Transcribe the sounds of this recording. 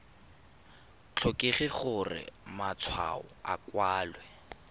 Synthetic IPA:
t͡ɬʰɔkeχɪχʊrɪ̰mat͡sʰwa̰ʊakwaːlwɛ

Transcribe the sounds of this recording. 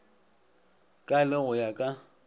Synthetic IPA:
kʼalɪɣʊjakʼa

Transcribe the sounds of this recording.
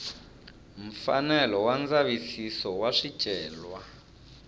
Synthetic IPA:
m̩fa̰nɛlɔwand͡zaβisisɔwaʂid̥ʒ̥ʱɛːlwa

